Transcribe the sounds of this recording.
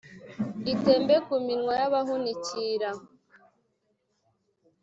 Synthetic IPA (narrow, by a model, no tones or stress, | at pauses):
ite̞ːmbekuminŋwajaβaɦuniciɾa